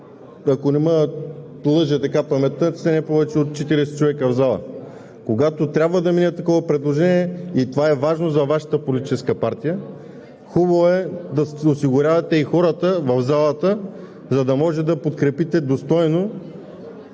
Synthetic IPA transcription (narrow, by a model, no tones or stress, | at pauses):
ɐkonɛmə | lˠɤʒɛt̪ɐkapɐmɛt̪əsɛnɛpɔvɛt͡ʃɛot̪̚t͡ʃɛt̪iɾɛsɛ̥t͡ʃovɛkəvzalˠə̰ | koɡat̪ot̪ɾʲabvəd̪ɐminʲət̪ːɐkɔvɐpɾɛd̪lˠoʒɛniɛit̪ovaɛvaʒnozɐvaʃə̥t̪əpolit̪i̥t͡ʃɛskəpaɾt̪ijə | xubɐvoɛd̪ɐsosiɡʊɾʲavɐt̪ɛixɔɾət̪əvɐvzalˠət̪ə | zɐd̪ɐmɔʒɛd̪ɐpot̪kɾɛpit̪ɛd̪ost̪ɔjno